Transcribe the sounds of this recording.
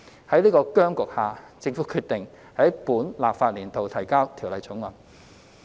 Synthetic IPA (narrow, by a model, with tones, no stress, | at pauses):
hɐ˨˥jliː˥kɔː˧kœː˥ŋkʊ˨k̚haː˨˩t͡sɪ˧ŋfuː˨˥kʰyː˧t̪ɪ˨ŋ | hɐ˨˥j̚puː˨˥nlaː˨p̚faː˧t̚liː˨˩nt̪o˨wt̪ʰɐ˨˩jkaː˥wt̪ʰiː˨˩wlɐ˨˧jt͡sʊ˨˥ŋlɐ˨˩n